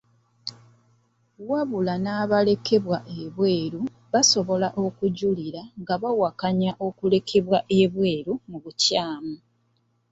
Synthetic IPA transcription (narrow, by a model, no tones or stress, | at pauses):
waβulanaːβale̞ke̞βwaʔe̞βwe̞ːɾu | βaso̞βo̞laʔo̞kuɟuliɾaŋɡaβawakaɲaʔo̞kule̞kʰe̞βwaʔe̞βwe̞ːɾumuβucaːmu